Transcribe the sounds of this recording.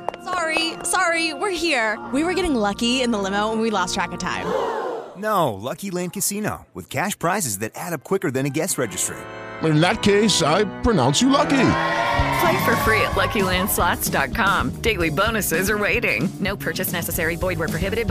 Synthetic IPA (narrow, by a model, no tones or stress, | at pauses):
sɑɹisɑɹiwɪɹɦiɹwiwə˞ɡɛɾɪ̃ŋlʌkiɪ̃nðəlɪ̃moʊwə̃nwilɔstʰɹ̥ækɨtʰã̰ɪ̃mnoʊlʌkilæ̃nkɨsino̰ʊwɨ̰ð̥kʰæʃpʰɹ̥aɪzɨzðɨɾæɾʌp̚kʰw̥ɪkə˞ðɨ̃ñɨɡɛsɹɛd͡ʒɨstɹ̥ḭəɾɨ̃nðɨt̚kʰeɪsaɪpʰɹ̥ɨnã̰ʊ̃nsjɨlʌkipʰl̥eɪfə˞fɹiɨ̰ʔˡlʌkilæ̃nd̥slɑtsd̥ɑt̚kʰɑ̃md̥eɪlˠibõʊ̃nɨsɪzə˞weɪɾɪ̰̃ŋnoʊpʰɜ˞t͡ʃɨsnɛsɨsɛɹibɔɪd̚wə˞pʰɹ̥ɨɦɪbɨɾɨd̚